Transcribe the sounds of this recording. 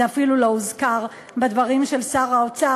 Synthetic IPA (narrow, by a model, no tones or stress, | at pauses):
eafilulo̞uzkaʁ | bed̪vaʁimʃe̞lsaʁaot͡sa